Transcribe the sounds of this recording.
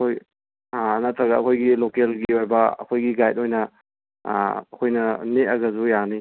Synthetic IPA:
kʰoj | nɐtɾɐɡɐːkʰojɡilokelɡiojbɐɐ̰kʰojɡiɡajt̚ojnɐ | ɐkʰojnɐneɐɡɐzujani

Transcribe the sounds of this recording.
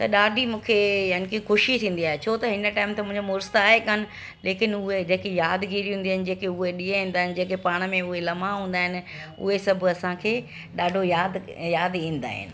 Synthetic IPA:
t̪ɐɗaːɖʱimũːkʰejaːnɪkixʊʃit̪ʰĩːn̆d̪iaːɦet͡ɕʰoːt̪ɐɦɪnəʈaːɪmt̪ʰemʊ̃ɦɪ̃ɲd͡ʑomʊːɾst̪aːɦekɐnɪ̆ | leːkɪnʊɦed͡ʑẽːkijaːd̪ɡiːɾiɦũnd̪iaːɦɪnɪ̆d͡ʑeːkeʊɦeɗiːeɦĩːnd̪aːɦɪnɪ̆d͡ʑeːkepaːɽ̃mẽʊɦelɐmãɦũːn̆d̪aːɦɪnɪ̆ | ʊ̰ɦesɐbʱʊ̆ɐsãkʰeː | ɗaːɖʱojaːd̪jaːd̪ĩːn̆d̪a̰ːɦɪ̰nɪ̆

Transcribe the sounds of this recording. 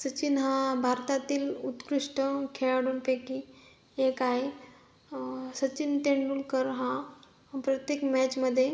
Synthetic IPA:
sət͡ɕinɦãbʱaɾt̪at̪iːlut̪kɾiʂʈəkʰeɭaɽunpeki | ekai | sət͡ɕinʈ̪eɳɖulkəɾɦã | pɾət̪jekmɛt͡ɕməd̪ʱːje

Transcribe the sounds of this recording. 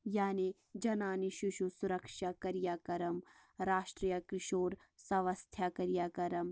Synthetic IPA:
jaːni | d͡ʒɐnaːniʃʊʃusʊɾɐkʃakɐɾijaːkɐɾɐmɾaːʃʈɾijɐkɾɪʃoːɾ | sɐʋɐst̪ʰjakɐɾjaːkɐɾɐm

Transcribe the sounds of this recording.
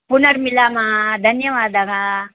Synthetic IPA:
punɐɾmilaːmaːd̪ʱɐnjɐʋaːd̪ɐɡaː

